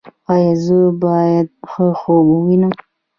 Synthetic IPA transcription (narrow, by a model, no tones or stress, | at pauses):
ɑjɑzəbɑjad̪̚xəxobuwinə